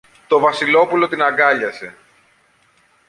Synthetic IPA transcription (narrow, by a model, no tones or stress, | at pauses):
t̪o̞vɐsilo̞pulo̞t̪inɐɡɐʎɐse̞